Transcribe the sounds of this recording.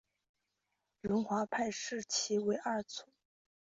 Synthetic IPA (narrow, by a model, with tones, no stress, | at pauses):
ɥʊ˧˥nxwa˧˥pʰa˥˧ɪʂɻ̩˥˩t͡ɕʰi˧˥we˧˥ɪʔa˞˥˩t͡sʰʊ˧˥˦ŋ